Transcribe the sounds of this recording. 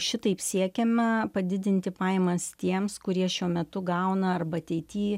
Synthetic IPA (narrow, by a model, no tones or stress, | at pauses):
ʃʲɪt̪ɐɪpsʲiɛkʲɛmʲɛpɐd̪ʲɪd̪ʲɪnʲt̪ʲɪpɑːjɛmɐst̪ʲiɛmskʊɾʲiɛʃʲuɔmʲɛt̪ʊɡɐʊnɐɐrbɐɐt̪ʲɛɪt̪ʲiː